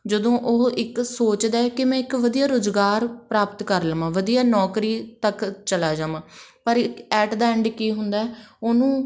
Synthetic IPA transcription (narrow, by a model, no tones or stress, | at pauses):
d͡ʒəd̪õːʔoɦɪksoːt͡ʃd̪aːɛkɪmɛ̃ːɪkʋəd̪ijaːɾoːzɡaːɾpɾaːpt̪kəɾləmãːʋəd̪ijaːnɔːkɾiːt̪əkt͡ʃəlaːd͡ʒãːʋãːpəɾkɛːʈd̪aːɛɳɖkiːɦʊnd̪aːɛːoːnũː